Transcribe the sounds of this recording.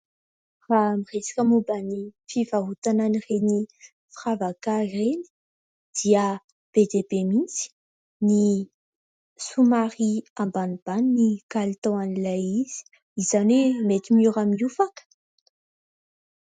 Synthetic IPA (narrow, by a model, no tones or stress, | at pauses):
ramiʁesḁkʲəmubanifivaɦut̪ananireni | fravakareni̥ | d̪̥iə | b̥ed̪ebemint͡si̥ | ni | sumaɾiambanib̥annikalit̪oanilajiz̥i̥ | izanemet̪imiuɾamiufakə̥